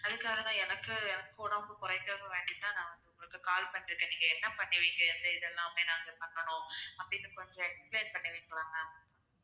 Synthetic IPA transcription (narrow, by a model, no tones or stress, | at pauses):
ɐðɯkːaːɣɐnãːɛnɐkːɯɛnɐkːoːɽɐʊŋɡɐkʊɾɐɪkːɐɾʊ̃ʋeːɲɡɪt̪ːãːnãːʋɐnd̪ɯʊŋɡɐɭɯkːɯkaːlpɐɳːɪɾɯkːẽːniːŋɡɐɛnːɐpɐɳːɪʋɐɪkːɐɪɾnd̪ɯɪðɛlːãːmeːnaːŋɡɐpɐɳːɐɳʊ̃ɐpːɐɽɪnːɯkɔɲd͡ʒɔ̃ɛkspleːnpɐɳːɪʋɐɪkːɐɭaːŋɡɐ